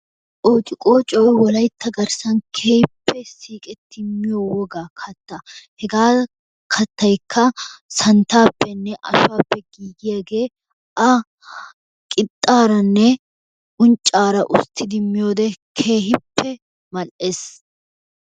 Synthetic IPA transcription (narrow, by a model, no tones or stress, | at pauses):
ʔoːt̪ʼɪkʼoːt͡ʃʼɔjwɔlɐjt̪ːɐɡɐɾsɐnkʰeːhɪpːɛsiːkʼɛt̪ʰːɪmːɪjowɔɡaːkʰɐt̪ːɐhɛɡaː | kʰɐt̪ːɐjkʰːɐsɐnt̪aːpːɛnːɛʔɐ̰ʃaːpːɛɡiːɡɪjaːɡe̞ː | ʔɐ | kʼɪt̪ʼːaːɾɐnːɛ | ʔʊnt͡ʃʼːaːɾɐʔʊ̰st̪ːɪd̪ɪmːɪjo̞ːd̪ɛkʰe̞ːɦɪpːɛ | mɐlʔeːs